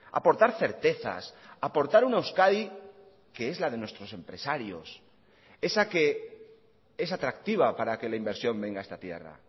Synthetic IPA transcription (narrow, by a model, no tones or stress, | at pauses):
a̰po̞ɾt̪aɾθe̞ɾt̪e̞θa̰sapo̞ɾt̪aɾunewskaði | ke̞e̞zlaðe̞nwe̞st̪ɾo̞se̞mpɾe̞saɾjo̞s | e̞sake̞ | e̞sat̪ɾakt̪iβapaɾake̞laimbe̞ɾsjo̞mbe̞ŋɡae̞st̪at̪je̞̰ra̰